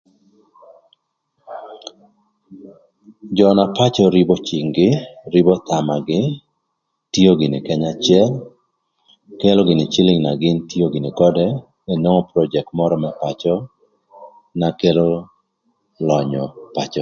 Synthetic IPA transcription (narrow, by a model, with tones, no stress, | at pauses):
d͡ʒɔna˨pa˦t͡ʃɔɾi˦bo˦t͡ʃi˨ŋɡɪɾibɔ˦t̪a˨ma˨ɡɪ | ti˦o˦ɡɪ˨nɪ̰˨kɛɲa˨t͡ʃɪɛ˦l | ke˦lo˦ɡɪ˨nɪ˨t͡ʃɪ˦lɪŋna˨ɡɪ˦nti˦o˦ɡɪ˨nɪ˨kɔ˦dɛ˦ | ɛ˨no˦ŋɔ˦pɾɔd͡ʒɛ˨k̚tmɔ˦ɾɔma˨pat͡ʃɔ˦ | na˨ke˦lo˦ | lɔ˨ɲɔ˨pa˨t͡ʃɔ˨